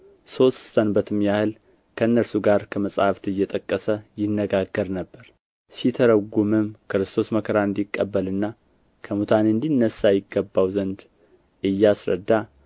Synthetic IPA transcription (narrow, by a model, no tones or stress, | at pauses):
so̞t̪st̪ʰənbət̪ʰɨmjahɨl | kʰəɨnːəɾsuɡaɾkʰəməsʼhaft̪ɨjːɛt̪ʼəkʼːəsəjɪnːəɡaɡːəɾnəbːəɾ | sit̪ʰəɾəɡumɨmkɾɨst̪ʰo̞sməkʰəɾaɨnd̪ikʼːəbːəlɨnːa | kʰəmut̪ʰanɨnd̪inːəsajɪɡːəbːawzənd̪ | ʔɨjːasɾə̰d̪ːa